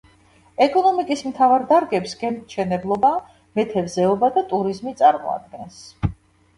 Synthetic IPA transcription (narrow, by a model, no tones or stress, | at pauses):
ɛkʼɔnɔmikʼismt̪ʰavaɾd̪aɾɡɛpsɡɛnʃʰɛnɛblˠɔba | mɛt̪ʰɛvzɛɔbad̪at̪ʼuɾizmit̪sʼaɾmɔ̰a̰d̪ɡɛns